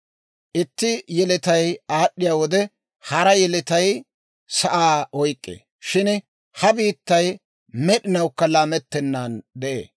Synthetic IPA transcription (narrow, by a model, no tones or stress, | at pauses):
ʔɪt̪ːɪjɛlɪt̪ɐjaːɗːɪjaːwɔd̪ɛ | hɐɾɐjɛlɪt̪ɐj | sɐʔaːɔjkʼːḛː | ʃɪn | hɐbiːt̪ːɐj | mɛɗɪnɐwkːɐlaːmɛt̪ːɛnːaːnd̪ɛʔḛː